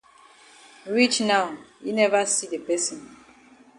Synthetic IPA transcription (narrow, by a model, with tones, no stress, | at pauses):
ɹi˦t͡ʃna˨ʊi˦nɛ˦va˦si˦de˨pɛ˦sĩ˨n